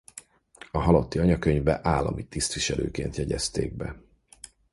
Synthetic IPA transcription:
ɒɦɒlot̪ːiɒɲɒkøɲvbɛʔaːlːɒ̰mit̪ːist̪ʋiʃɛlø̰ːkeːnt̪jɛɟɛst̪ḛːɡ̚bɛ

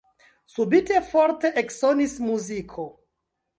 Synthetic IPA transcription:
subite̞foɾte̞ʔeksonismuzikʰo

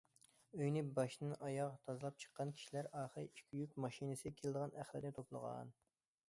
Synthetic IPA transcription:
øjnɪbɑʃnɨʔɑjɑʁt̪ʰɑzɨlˠɑp̚t͡ʃʰə̥qːɑnkʲʰi̥ʃilæɾɑːχəɾiʃkʲʰyjykʲmɑʃinɨsɨkʲʰelɪd̪əʁɑnʔæχlˠɪ̰ɾnɪt̪ʰoplˠə̰ʁɑ̰n

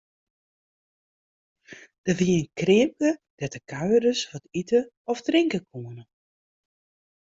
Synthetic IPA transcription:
d̥əviənkrɪmpəd̥ɛtəkʰaɥəɾəsʋɔtitə | ɔfdrɪŋkəkʰuənə

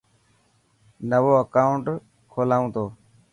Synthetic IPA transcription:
nəʋoːəkaːʊɳʈ | kʰoːlaːũːt̪oː

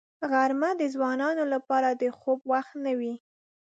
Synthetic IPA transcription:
ɣaɾmad̪əzwɑnɑnolapɑɾad̪əxob̚waxt̪nawi

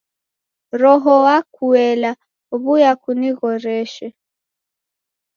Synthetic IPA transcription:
ɾɔɦɔwakuɛla | uβujakuniɣɔɾɛʃɛ

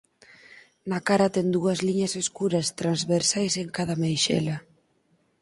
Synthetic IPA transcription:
nakaɾɐt̪ɛnd̪uɐzliɲɐseskuɾɐst̪ɾanzβeɾsajseŋkaðɐmejʃɛ̰lɐ

